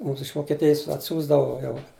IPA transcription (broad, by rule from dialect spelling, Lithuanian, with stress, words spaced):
ˈmuːms ɪʃ ʋoːkʲiɛˈtʲɪjɪs ɐtʲˈsʲuːzdɐʋoː ˈjɛʊ